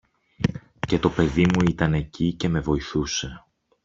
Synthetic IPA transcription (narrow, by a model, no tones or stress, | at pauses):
ce̞t̪o̞pe̞ðimuit̪ɐne̞cice̞me̞vo̞iθuse̞